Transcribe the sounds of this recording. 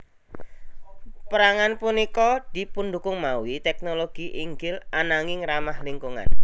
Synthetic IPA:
pəɾaŋanpunikɔd̪̥i̤pund̪ukʊŋmawit̪ɛk̚noloɡ̥iʔiŋɡɪlanaŋɪŋramahliŋkuŋa̰n

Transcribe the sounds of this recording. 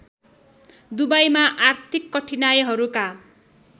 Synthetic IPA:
d̪ubajmaʔart̪ʰikːʌʈʰinajeɦʌɾuka

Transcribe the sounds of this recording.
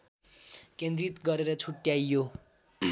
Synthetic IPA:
kend̪rit̪ɡʌɾeɾʌt͡sʰuʈjajːo

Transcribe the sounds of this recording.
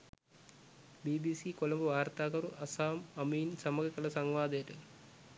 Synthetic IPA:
biːbiːsiːkolɐmbuʋaːrt̪aːkɐɾuʔɐsaːmɐmiːnsɐməɡəkəlɐsaŋʋaːd̪əjəʈə

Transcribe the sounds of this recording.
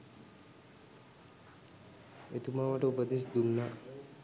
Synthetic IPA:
et̪umaʋəʈəupəd̪es̬d̪unːa

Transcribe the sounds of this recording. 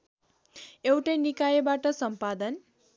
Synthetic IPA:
ewʈʌjnikajebaʈʌsʌmpad̪ʌn

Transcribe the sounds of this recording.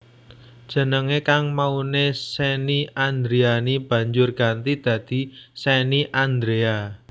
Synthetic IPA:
d̥ʒ̥ə̤nəŋekaŋmaunesɛniand̪ɾeanib̥ä̤ɲd͡ʒʊrɡ̥a̤nt̪id̪̥ä̤d̪̥i̤sɛniʔand̪ɾea

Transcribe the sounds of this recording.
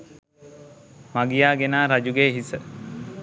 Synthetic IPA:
maɡijaːɡenaːɾad͡ʒuɡeːɦisə

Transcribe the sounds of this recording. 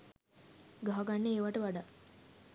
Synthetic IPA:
ɡaɦaɡɐɳːeeːʋaʈəʋaɖa

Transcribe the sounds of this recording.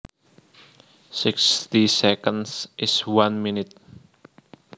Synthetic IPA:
sɪkst̪isɛkənsʔɪswanminɪt̪̚

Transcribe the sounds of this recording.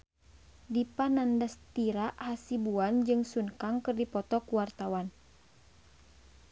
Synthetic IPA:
dipanandast̪iɾaʔasibuand͡ʒɨŋsunkaŋkɨrdipɔt̪ɔkuwart̪awan

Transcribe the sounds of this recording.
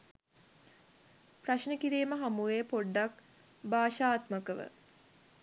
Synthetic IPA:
praʃnəkiɾiːməɦamuʋeːpoɖːak | baːʃaːt̪məkəʋə̰

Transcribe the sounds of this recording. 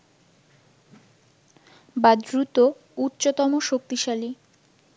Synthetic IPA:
bad̪ɾut̪o | utːɕot̪ɔmoʃok̚t̪iʃali

